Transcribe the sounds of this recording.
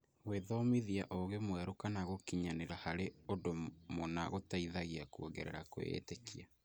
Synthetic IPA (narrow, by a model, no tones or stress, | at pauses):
ɣweðɔmiðiaʔɔɣemwɛɾokanaɣokiɲaneɾahaɾeodomonaɣotaiðaɣiakuoɡɛɾɛ̰ɾako̰ḛːtekia